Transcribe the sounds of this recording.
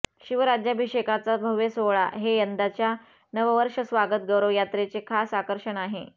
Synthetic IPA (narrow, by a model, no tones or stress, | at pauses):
ɕiʋəɾad͡ʑjabʱiɕekʰat͡sabʱəʋjesoɭa̰ɦejənd̪at͡ɕja | nəʋəʋəɾʂəsʋaɡət̪̚ɡəɾəʋjat̪ɾet͡sekʰasakəɾʂəɳaɦḛ